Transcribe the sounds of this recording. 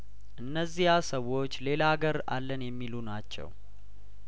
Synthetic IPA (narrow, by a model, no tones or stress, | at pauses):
ʔɨnːəzːihasəwːo̞t͡ʃːle̞laɡəɾa̰lːənjɛmːilunat͡ʃːɛ̰w